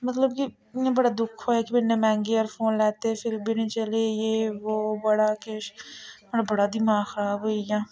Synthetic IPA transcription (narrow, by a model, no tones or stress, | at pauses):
mət̪ləb̚ki | ẽbəɽad̪ʊkʰoːɛːkibɪnːẽːmɛ̃ːŋɡeːɔːɾfʰoːnlɛːt̪epʰɪɾbʱinẽːt͡ʃəlejeːʋoːbəɽaːkeʃməɽabəɽaːd̪imaːxɾaːboːijãː